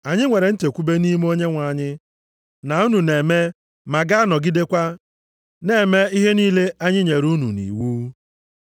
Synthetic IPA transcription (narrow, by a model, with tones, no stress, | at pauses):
a˨ɲɪ˦ŋʷe˨ɾe˨n̩˦te˨kʷu˦be˦ni˦m˦o˦ɲe˦ŋʷa˨ɲɪ˦ | na˨u˦nu˨ne˨me˦ | ma˨ɡa˦a˦nɔ˨ɡi˦de˦kʷa˦ | ne˨me˦i˦ɦe˦niː˦le˦a˦ɲɪ˦ɲe˨ɾu˦nṵ˨nḭ˨wuː˦